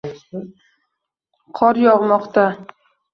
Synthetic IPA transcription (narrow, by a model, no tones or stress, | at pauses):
qʰɒɾjɒʁmɒqt̪a